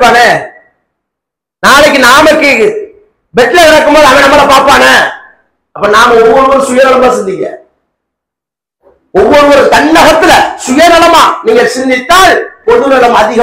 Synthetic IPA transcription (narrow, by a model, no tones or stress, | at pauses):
pːaːnɐ | naːlɛk̬ːɯnaːmɐkːɯ | bɛʈːlɐʋɪɽɐkːɯmboːðɯɐmɛːɳɐmɐːlɐpaːɾpaːnɐ | ɐpːɐnaːmɐɔʋːɔɽɯʋɐɾɯsʊjɐɾɐlɐmãːsɛnd͡ʒ̪ɪkːɪɾḛ̃ː | ɔʋːɔɽɯʋɐɾɯt̪ɐɳːɐɣɐt̪ːɪlɐsʊjɐnɐlɐmaːniːŋɡɐsɪɾnd̪ɪt̪ːaːlpɔðɯnɐlɐmɐðɪɣɐ